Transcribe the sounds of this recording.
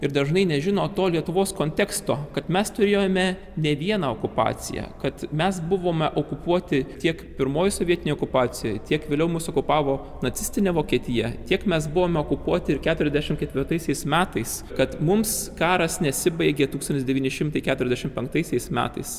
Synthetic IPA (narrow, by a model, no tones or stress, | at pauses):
ɪɾd̪ɐʒnɐɪnʲɛʒʲɪnoːt̪oːlʲiɛt̪ʊʋoːskoːnʲt̪ʲɛkst̪oːkɐt̪mʲɛst̪ʊɾʲeːjomʲɛ | nʲɛʋʲiɛnɑoːkʊpɑ̰ːt͡s̪ʲɪ̰jɛ̰kɐt̪mʲɛsbʊʋoːmʲɛʔokʊpuɔt̪ʲɪt̪ʲiɛkpʲɪɾmoːjɪsoʋʲiɛt̪ʲɪnʲejoɔkʊpɑːt͡s̪sʲɪjoːjt̪ʲiɛkʋʲeːlʲɛʊmʊsoːkʊpɑːʋoː | nɐt̪sʲɪsʲt̪ʲɪnʲeʋoːkʲiɛt̪ʲɪjɛt̪ʲiɛkmʲɛsbʊʋoːmʲɛoːkʊpuɔt̪ʲɪɪɾkʲæːt̪ʊɾʲɛzʲd̪ʲæɛʃʲɪmkʲɛt̪ʲʋʲɪɾt̪ɐɪsʲɛɪsmʲæːt̪ɐɪs | kɐt̪mʊmskɑːɾɐsnʲɛsʲɪbɐɪɡʲet̪uːkst̪ɐnt̪ʲɪsd̪ʲɛʋʲiːnʲɪʃʲɪmt̪ɐɪkʲæt̪ʊɾʲɛzʲd̪ʲæɛʃʲɪmpʲɛŋk̚t̪ɐɪsʲɛɪsmʲæ̰ːt̪ɐɪs